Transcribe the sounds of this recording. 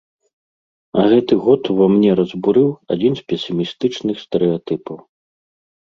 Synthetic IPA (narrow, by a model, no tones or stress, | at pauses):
ɐ̰ɣɛt̪ɨɣɔt̪vamnʲɛɾɐzbuɾɨwa̰d͡zʲinspʲɛsʲimʲist̪ɨt͡ʂnɨxst̪ɛɾɛat̪ɨpɐw